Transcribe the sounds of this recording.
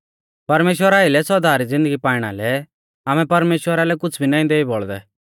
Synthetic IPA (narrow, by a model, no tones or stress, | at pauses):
pɐɾmeːʃ̬wəɾaɪlɛsɔd̪aːɾid͡zɪ̃nd̪əɡipaːɪɽ̃a̰lɛ | aːmɛ̃pɐɾmeːʃwəɾalɛkʊt͡sʰbʱinãːĩd̪eːibɔɭd̪ɛ̰